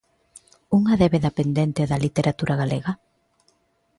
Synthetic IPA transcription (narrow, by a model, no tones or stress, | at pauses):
uŋɐðeβeðapend̪ent̪eoðɐlit̪eɾʔat̪uɾʔaɣaleɣa